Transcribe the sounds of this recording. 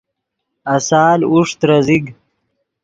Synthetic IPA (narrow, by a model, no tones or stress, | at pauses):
ɐsaːluʂt̪ɾɐziɡ